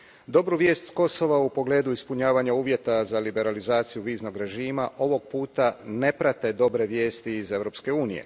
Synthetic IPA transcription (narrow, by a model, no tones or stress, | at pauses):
d̪o̞bɾuʋjeːst̪sko̞so̞ʋaupo̞ɡle̞ːd̪uispuɲaːʋaɲauːʋje̞t̪azalibe̞ɾalizaːt̪sijuʋiːzno̞ɡɾe̞ʒiːmaʔo̞ʋo̞ɡ̚puːt̪ane̞pɾat̪e̞d̪o̞bɾe̞ʋje̞ːst̪iːze̞ʋɾo̞pske̞uːnije̞̰